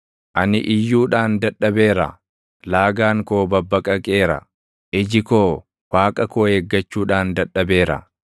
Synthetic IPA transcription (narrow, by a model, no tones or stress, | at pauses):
ʔɐnɪ̰ʔɪjːuːᶑaːnd̪ɐɗːɐbe̞ːɾɐ̰ | laːɡaːŋkoːbɐbːɐkʼɐkʼe̞ːɾɐ̰ | ʔɪd͡ʒɪkoː | waːkʼɐkoːheːɡːɐt͡ʃːuːᶑaːnd̪ɐᶑːɐbe̞ːɾɐ̰